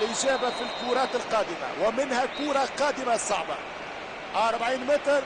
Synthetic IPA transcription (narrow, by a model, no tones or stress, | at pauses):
lʔɪʒaːbafilkuːɾˤɑːt̪ɪlqɑːd̪ɪma̰wɪmɪnhakuːɾˤɑqɑːd̪ɪmasˤɑʕbɑ̰ | ʔɑɾˤbaʕiːnmɪt̪ɾ